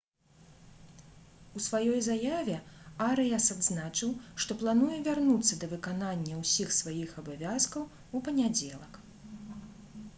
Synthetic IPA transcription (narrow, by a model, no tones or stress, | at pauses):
usvajɔjzajavʲɛaɾɨjasad̪znat͡ʂɨwʂt̪ɔplˠanujɛvʲarnut̪sːɐd̪ɐvɨkananʲːɐwsʲixsvajixɐbavʲaskɐw | upɐnʲad͡zʲɛlˠɐk